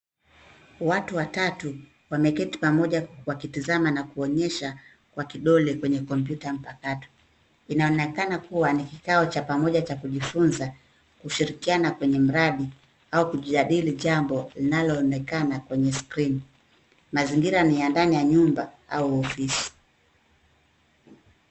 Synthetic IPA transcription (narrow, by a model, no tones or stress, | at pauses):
watuwatatu | wamɛkɛti̥pamɔʄawakitizamanakuɔɲɛʃa | kwakiɗɔlɛkwɛɲɛkɔmp̬jutam̩pakatɔ̥ | inaɔnɛkanakuwanikikaɔt͡ʃapamɔʄat͡ʃakuʄifunza | kuʃiɾikianakwɛɲɛm̩ɾaɗi | aukuʄiaɗiliʄambɔlinalɔːnɛkanakwɛɲɛskɾini | maziŋɡiɾanijandanijaɲumba | auɔfisi̥